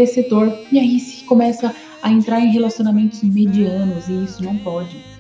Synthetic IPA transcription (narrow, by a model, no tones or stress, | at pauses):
eset̪oɾiaisɪ̥kõmɛsɐ | ɐẽnt̪ɾaɾẽj̃ɦelasiõnamẽnt̪ʊzmed͡ʒiɐ̃nʊzɪisʊnɐ̃w̃pɔd͡ʒɪ